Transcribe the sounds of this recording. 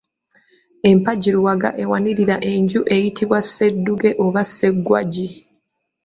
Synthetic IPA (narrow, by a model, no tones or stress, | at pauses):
e̞mpaɟiɾuwaɡa̰ʔe̞waniɾiɾaʔe̞ɲɟuʔe̞jitʰiβwasːe̞dːuɡe̞ʔoβasːe̞ɡːwa̰ɟi